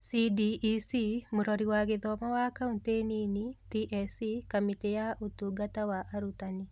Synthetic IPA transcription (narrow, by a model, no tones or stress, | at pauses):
sidiʔːsimuɾɔɾiwaɡɪðɔmawakaunteninitiʔɛsikɔmitejaʔutuɡatawaʔaɾutani